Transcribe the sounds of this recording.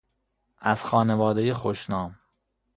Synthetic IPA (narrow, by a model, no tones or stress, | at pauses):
ʔæz̥xɒːne̞vɒːd̪e̞je̞xoʃnɒːm